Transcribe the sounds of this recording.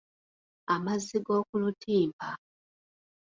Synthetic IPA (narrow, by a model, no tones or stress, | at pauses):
amaziɡo̞ːkulutʰiːpa